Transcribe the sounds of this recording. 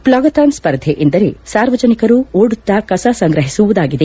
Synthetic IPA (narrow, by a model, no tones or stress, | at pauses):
plɔːɡɐt̪ɐːnspɐɾd̪ʱeʔind̪ɐɾḛsaːɾʋɐd͡ʒɐnikɐɾuoːɽut̪ːɐkɐsɐsɐŋɡɾɐɦisuʋud̪aːɡid̪e